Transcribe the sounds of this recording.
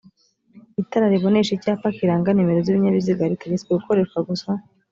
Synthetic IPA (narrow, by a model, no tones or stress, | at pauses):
itaɾaɾiβo̞neʃicaːpakiɾaːŋɡanimeɾoziβiɲaβiziɡaɾiteɡet͡sweɡukʰo̞ɾe̞ːʃkwaɡusa